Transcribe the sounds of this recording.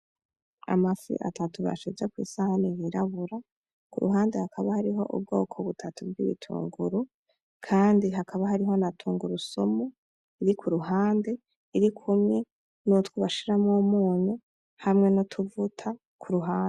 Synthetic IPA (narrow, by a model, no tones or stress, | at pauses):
a̰mafḭʔa̰tatuβa̰ʃizekwḭːsahanijiɾaβuɾa | kuɾuɦaːndehakʰaβahaɾiɦo̞ʔṵb̚ɡo̞̰ːkʰoβutʰatuvɡḭβḭtʰṵːŋɡuɾu | kʰaːndiɦakʰaβaɦaɾiɦo̞natʰuːŋɡuɾuso̞mo | iɾikʰuɾuɦaːnde̞ | iɾikʰumŋe̞ | nutkuβaʃiɾamŋomuːɲu | hamŋe̞notʰuvutʰa | kʰuɾuɦaːnde